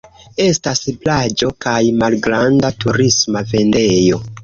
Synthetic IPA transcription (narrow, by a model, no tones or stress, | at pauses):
e̞stasplad͡ʒo̞kajmalɡɾandatuɾismave̞nde̞jo̞